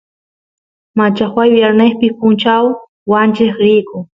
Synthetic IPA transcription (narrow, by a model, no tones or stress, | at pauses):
mat͡ʃaxwajwjaɾneχpɪpʊnt͡ʃaw | want͡ʃɪχɾɪkʊ